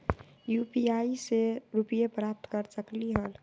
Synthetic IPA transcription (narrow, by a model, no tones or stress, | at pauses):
juːpiaːiseɾupijepɾaːp̚t̪kəɾsəkliɦəl